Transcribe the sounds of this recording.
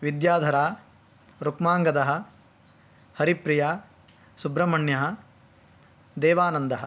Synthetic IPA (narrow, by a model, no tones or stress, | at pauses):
ʋid̪jaːd̪ʱɐɾaː | ɾukmaːŋɡɐd̪ɐɦɐ̆ | hɐɾipɾijaː | subɾɐmɐɳjɐɦɐ̆ | d̪eːʋaːnɐnd̪ɐɦɐ